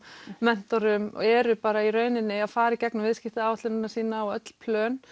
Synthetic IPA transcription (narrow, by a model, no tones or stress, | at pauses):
mɛn̥t̪ɔɾʏmɔ̰ɛɾʏpaːɾaiɾœːɥnɪnːɪaðfaːɾɪicɛknʏmvɪðscɪht̪ɪaːwt̪lʏnɪnasiːnaɔœt̪l̥pʰlœːn